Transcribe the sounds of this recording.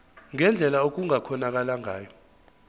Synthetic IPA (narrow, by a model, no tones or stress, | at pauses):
ŋɛnd͡ɮʱɛlaok̬uŋakʰɔnak̬alaŋaːjɔ